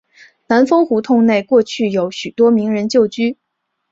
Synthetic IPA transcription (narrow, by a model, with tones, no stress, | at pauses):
na˧˥nfɤ˥ŋxu˧˥t̪ʰʊ˥˧ŋne˥˧ɪkwɔ˥˧t͡ɕʰy˥˩jo˧˩˥ʊɕy˨˩t̪wɔ˥mi˧˥ŋɻə˧˥nt͡ɕjo˥˩ʊt͡ɕy˥